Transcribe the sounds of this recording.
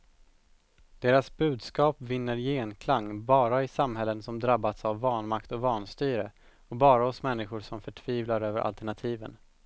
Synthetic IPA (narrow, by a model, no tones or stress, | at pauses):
d̪̥eːɾasbʉ̟ːd̪skɑːpvɪnːəɾjeːnkʰlaŋːbɑːɾaɪsamɦɛlːənsɔmd̪ɾabːat̪savːɑːɳmakt̪ɔvɑːnst̪yːɾə | ɔbɑːɾaɔsmɛnːɪɧʊɾʂɔmfœʈʰv̥iːvlaɾøːvə̰ɾʔa̰lt̪ɛɳat̪ʰiːvə̰n